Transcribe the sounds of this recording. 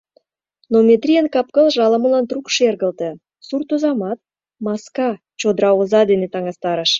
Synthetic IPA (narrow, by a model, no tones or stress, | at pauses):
nomʲet̪ɾʲijenkɑp̚kəlʒɑləməlɑnt̪rukʃerɣə̆lt̪ə̆ | surt̪uzɑmɑt̪̚ | mɑskɑ | t͡ɕod̪ɾɑozɑd̪enet̪ɑŋɑst̪ɑɾəʃ